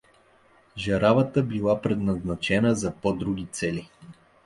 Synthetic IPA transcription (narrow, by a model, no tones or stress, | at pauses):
ʒɐɾavət̪əbilˠapɾɛd̪nɐznat͡ʃɛnəzɐpɔd̪ɾuɡ̟ʲit̪sɛli